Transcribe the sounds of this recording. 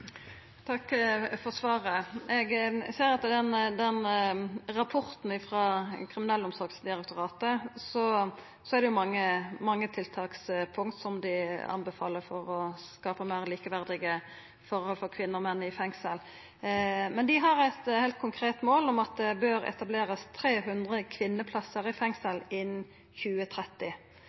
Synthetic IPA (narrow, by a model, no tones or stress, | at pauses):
t̪ʰɑkːfɔʁsʋɑːɾəɛɡseːɾɑt̪ːd̪ɛnd̪ɛn | ɾɑpʰɔɾt̪n̩ɪfɾɑːkʰɾɪmɪnɛlːəʊmsɔɾɡsd̪ɪɾɛk̚t̪ʊɾɑːt̪əsɔ | sɔæɾd̪ɛjʊmɑŋːəmɑŋːət̪ʰɪlt̪ʰɑːkspʰʊŋkt̪sɔmd̪ɪɑ̰nbɛfɑ̰ːləɾfɔɾɔskɑːpəmæɪʁliːkəʋæʁd̪ɪɡə | fɔɾhɔlfɔʁkʰʋɪnːəɔmɛnːɪfɛŋsəl | mɛnd̪ɪɦɑʁɛt̪hæɪlt̪̚kʰʊŋkʰʁeːt̪moːlɔmɑt̪̚d̪ɛbøːɾɛ̰t̪ɑbleːʁɑst̪ʰɾeːɦʉnd̪ʁəkʰʋɪnːəpʰlɑsəɾɪfɛŋsəlɪn | çʉːət̪ʰɾɛt̪ːɪ